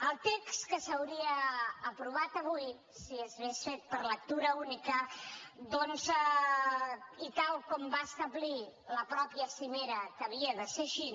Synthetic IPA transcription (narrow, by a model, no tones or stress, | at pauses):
əlˠt̪ekskəsəwɾiəːpɾuβ̞at̪əβ̞uj | siəzβesfet̪̚pəɾlək̚t̪uɾəunikəd̪ɔnz | it̪alˠkɔmbaəst̪əβliləpɾɔpjəsimeɾəkəβiəðəseʃi